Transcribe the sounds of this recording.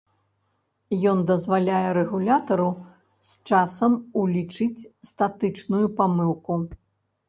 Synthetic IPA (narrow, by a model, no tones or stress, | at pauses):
jɔnd̪ɐzvalʲajɛɾɛɣulʲat̪ɐɾu | st͡ʂasɐmulʲit͡ʂɨt͡sʲst̪at̪ɨt͡ʂnujupamɨwku